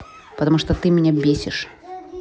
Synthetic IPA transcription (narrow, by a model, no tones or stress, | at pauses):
pɐt̪ɐmuʂt̪ɔt̪ɨmʲnʲɛbʲesʲɪʂ